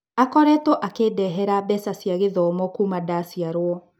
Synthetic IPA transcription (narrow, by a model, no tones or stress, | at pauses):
akɔɾɛtɔʔakeːdɛɦɛɾabɛsasiaɣeðɔmɔkumadasiaɾwɔ